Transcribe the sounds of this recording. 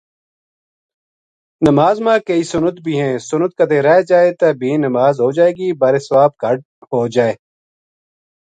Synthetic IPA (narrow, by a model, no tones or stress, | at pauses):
nəmaːzmãːkəiːsʊnət̪bʱiːɦɛ̃ːsʊnət̪̚kəd̪eːɾɛed͡ʒaːeːt̪əbʱiːnəmaːzɦoːd͡ʒaːeːɡiːbaːɾeːsəʋaːb̚kəɖ | ɦoːd͡ʒaːeː